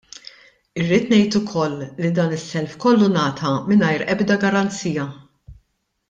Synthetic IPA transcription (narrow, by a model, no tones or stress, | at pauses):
ɪrːiːt̪nɛjt̪ʊkʰɔlːid̪ɐːnɪsːɛlfkɔlːunɐːt̪ʰɐmɪnɐjɾʔɛbd̪ɐɡɐɾɐnt͡siːjɐ